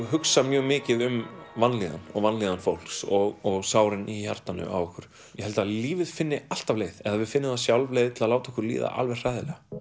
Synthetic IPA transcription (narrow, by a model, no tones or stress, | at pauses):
ɦʏksamjœːɣmɪːcɪðʏmvanliːða̰nɔ̰ɣvanliːðanfowl̥ksɔɣɔɣsaːwɾɪniçaɾ̥t̪anʏ̰ʔa̰wɔhkʰʏɾ̥ | jɛhɛlt̪aðliːvɪðfɪnːɪal̥t̪avleːjðɛðaðvɪðfɪnːɪmasjawlvlejðt̪ʰɪlalaːwt̪ɔhkʏɾlḭːða̰ʔa̰lvɛr̥r̥ajðɪlɛɣa